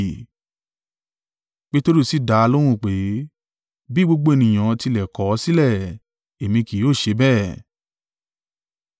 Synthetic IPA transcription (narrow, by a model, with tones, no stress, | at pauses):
k͡pe˦to˦ɾu˦˨si˦˨da˨˧lo˦ɾ̃ũ˦˨k͡pe˨˦ | bi˦ɡ͡bo˦ɡ͡bo˦e˧nĩ˨j̃ã˨˧ti˧lɛ˨kɔ˨˦si˦lɛ˦˨ | e˨mĩ˧ki˨˦oː˦˨ʃe˨˧˦bɛ˦˨